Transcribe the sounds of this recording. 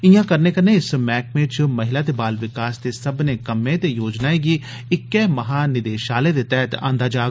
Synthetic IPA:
ɪjãkəɾneːkəɾneɪsmɛːkmẽt͡ʃmɐɦɪlaːt̪ebaːlʋɪkaːsd̪esəbnekɐmẽt̪ejoːd͡ʒnaːeɡi | ɪkːeːmɐɦaːnɪd̪eːʃaːlẽd̪et̪ɛːt̪ã̰ːnd̪aːd͡ʒaː

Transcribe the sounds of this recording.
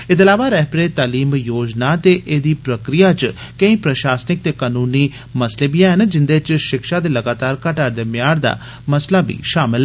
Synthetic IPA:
ɪt̪əlaːʋaːɾɛːpɾeːt̪aːliːmjoːd͡ʒnaːt̪eːʔeːd̪iːpɾəkɾijaːt͡ʃ | kə̃ĩːpɾəʃaːsnɪk̚t̪eːkaːnuːniː | məsleːbiãɦənd͡ʒɪnd̪eːt͡ʃʃɪkʃaːd̪eːləɡaːt̪aːɾkaʈaɾd̪eːmɪjaːɾd̪a̰ː | məslaːbḭːʃaːmɪl

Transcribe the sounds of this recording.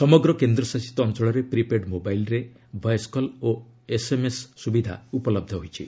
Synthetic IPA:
sɔmɔɡɾɔkend̪ɾɔsasi̥t̪ɔːnt͡ʃɔɭɔɾepɾipeɖmobajlɾe | bʱajskɔlo | esemesːubid̪ʱa̰upɔlɔb̚d̪ʱɔɦojt͡ʃʰḭ

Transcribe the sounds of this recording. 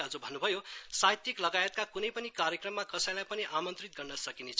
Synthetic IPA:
ɦʌd͡zubʱʌnːubʱʌjosajt̪iklʌɡajet̪̚kakunʌjpʌnikaɾjekrʌmːakʌsʌ̃j̃lajpʌniʔamʌnt̪rit̪̚ɡʌrnʌsʌkinet͡sʰ

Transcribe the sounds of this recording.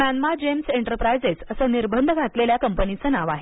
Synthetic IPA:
mænmad͡ʑemseɳʈəɾpɾajd͡zet͡səsəniɾbənd̪ʱəɡʱat̪leljakəmpənit͡sənaʋaɦe

